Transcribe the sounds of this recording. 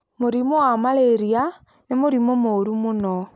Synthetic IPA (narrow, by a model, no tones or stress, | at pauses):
muɾimowamaleɾia | nimuɾimomoɾumuno